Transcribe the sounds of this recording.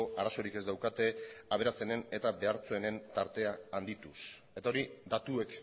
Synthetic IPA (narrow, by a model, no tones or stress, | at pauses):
oaɾaso̞ɾike̞zd̪awkat̪e̞aβ̞e̞ɾast͡senene̞t̪aβe̞aɾt͡soene̞nt̪aɾt̪e̞aːnd̪it̪us | e̞t̪ao̞ɾid̪at̪ue̞k